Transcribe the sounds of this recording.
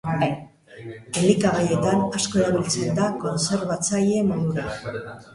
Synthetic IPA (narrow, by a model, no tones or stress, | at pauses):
elikaβaje̞t̪anasko̞e̞ɾaβ̞ilt͡se̞nd̪ako̞nse̞ɾβat͡saje̞moðuɾa